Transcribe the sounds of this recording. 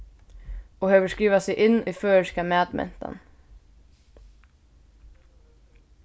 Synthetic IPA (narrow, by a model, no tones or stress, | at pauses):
oːhøːʋəʃkiːʋɑseɪʔɪniːføːʃkɑmæːd̪mɛ̰nt̪ɑ̰n